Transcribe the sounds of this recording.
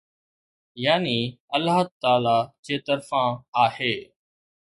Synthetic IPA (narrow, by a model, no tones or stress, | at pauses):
jaːniːəlaːt̪aːlaːd͡ʒeːt̪əɾfãːaːheː